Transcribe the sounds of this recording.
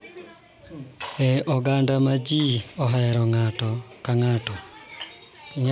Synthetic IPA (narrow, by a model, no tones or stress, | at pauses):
ɛɔɡandamad͡ʒiɔɦaɾɔŋatɔkaŋatɔ | iɲ